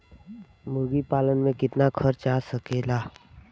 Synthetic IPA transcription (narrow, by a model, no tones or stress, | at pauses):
mʊɾɡipaːlənmẽkɪt̪nakʰəɾt͡ʃaːsəkeːlaː